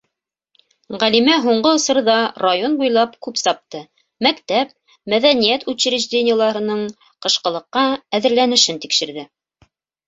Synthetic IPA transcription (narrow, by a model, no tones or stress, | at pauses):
ʁælimæɦuɴɢɤŏsɤ̆ɾɤðɑrajonbujlˠɑpkʉpsɑp̚t̪ɤ | mækt̪æp̚ | mæðænijæt̪ʉɕɘ̆ɾɘ̆ʒd̪ʲenʲɪjəlˠɑɾɤ̆nɤɴ | qɤ̆ʃqɤ̆lˠɤ̆qːɑæðɘ̆ɾlænɘ̆ʃɘnt̪ikʃɘ̆ɾðɘ